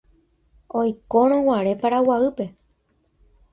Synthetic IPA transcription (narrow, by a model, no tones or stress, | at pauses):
ojkoɾ̃õwaɾe̞paɾawaɨpe̞